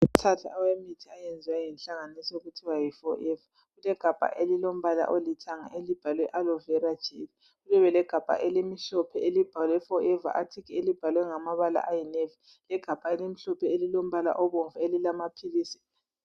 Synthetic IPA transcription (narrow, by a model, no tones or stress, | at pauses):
utʰatʰa̰ʔawemitʰiajend͡zʱiwajɛnɬaŋanisɔuɣutʰiwajifɔʔɛva | ɣulɛɡ̥ʱab̥ʱa̰ʔelilom̩βala̰ʔolitʰaŋa̰ʔelib̥ʱalwɛʔalɔvɛɾad̥ʒ̥ʱivi | ɣulɛβɛlɛɡ̥ʱab̥ʱa̰ʔelimiɬɔpʰɛelib̥ʱalwɛfɔɛva̰ʔatʰikielib̥ʱalwɛŋamaβala̰ʔajinevɛ | lɛɡ̥ʱab̥ʱaelimiɬɔpʰɛelilom̩βala̰ʔɔβoɱvuelilamapʰiliːsi̥